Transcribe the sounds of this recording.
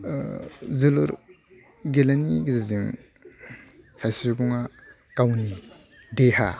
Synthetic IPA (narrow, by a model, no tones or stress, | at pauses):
zɯluɾ | ɡelaniɡizaziŋ | sajsiɾubuŋa | kawni | deha